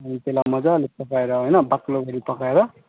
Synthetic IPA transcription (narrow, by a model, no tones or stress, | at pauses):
ʌnit̪elamʌd͡zalepʌkaeɾʌɦoʌjnʌbakloɡʱʌɾipʌkaeɾʌ